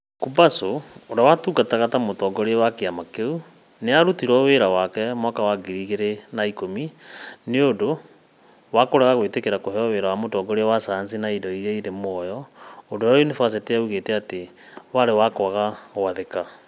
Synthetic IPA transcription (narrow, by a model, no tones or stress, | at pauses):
kubasoːɾawatuːɡataɣatamotɔːɡɔɾeɛwakeamakeu | neaɾutiɾwɔweɾawakɛmwakawaɡiɾiɣeɾenaikomineodo | wakoɾaɣaɣwetekeɾakoɦɛɔweɾawamotɔːɡɔɾeawasansinaidɔiɾeiɾemɔjɔodoainefas̬eteauɣeːtɛate | waɾewakwaɣawaðeka